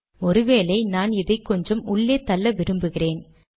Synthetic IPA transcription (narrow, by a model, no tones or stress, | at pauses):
ɔɾɯʋeːlɐɪnaːnɪðɐɪkːɔɲd͡ʒɐmʊɭːeːt̪ɐlːɐʋɪɾɯmbɯɣɪreːn